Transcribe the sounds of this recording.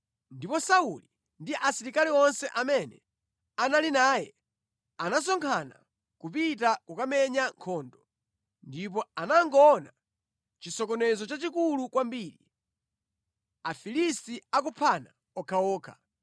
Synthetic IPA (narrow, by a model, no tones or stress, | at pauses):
ndipɔsauli | ndiʔasiɾikaliɔnsɛʔamɛnɛ | analinaːjɛ | anas̬ɔŋkʰana̰ | kupitakukamɛɲaŋkʰɔːndɔ | ndip̬ɔanaŋɡɔna | t͡ʃisɔkɔnɛzɔt͡ʃat͡ʃikulukwambiːɾi | afilistiak̬upʰana | ɔkʰaɔːkʰa